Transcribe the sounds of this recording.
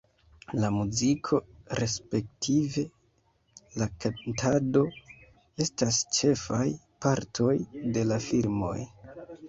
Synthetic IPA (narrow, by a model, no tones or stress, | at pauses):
lamuzikʰo̞ɾe̞spe̞k̚tʰive̞ | lakantʰado̞ | e̞stast͡ʃe̞faj | paɾtʰo̞jde̞lafilmo̞̰j